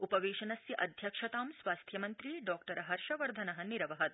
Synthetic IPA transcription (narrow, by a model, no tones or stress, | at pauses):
upɐʋeːʃɐnɐsjɐʔɐd̪ʱjɐkʂɐt̪aːmsʋaːst̪ʰjɐmɐnt̪ɾiːɖɔːkʈɐɾɐɦɐɾʃɐʋɐɾd̪ʱɐnɐɦɐniɾɐʋɐɦɐt̪